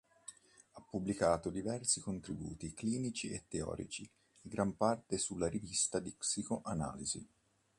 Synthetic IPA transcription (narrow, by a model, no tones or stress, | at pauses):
apːubːlikaːt̪od̪ivɛrsikont̪ɾibṵːt̪ikliːnit͡ʃiḛt̪ːeɔ̰ːɾḭt͡ʃi | ɡɾampart̪esulːaɾivist̪ad̪iksikoʔana̰ːlizḭ